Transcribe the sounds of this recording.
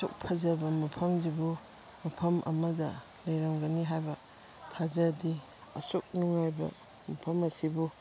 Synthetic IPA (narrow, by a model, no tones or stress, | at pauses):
sṵk̚pʰɐzɐbɐmɐpʰɐmzibu | mɐpʰɐmʔɐ̰mɐdɐ | lɐjɾɐmɡɐniɦajbɐ | tʰazɐdi | ɐ̰suk̚nuŋajbɐ̰ | mɐpʰɐmɐsibu